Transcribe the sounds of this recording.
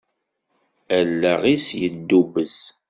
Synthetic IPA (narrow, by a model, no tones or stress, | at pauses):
əlːəʁisjəd̪ːubəz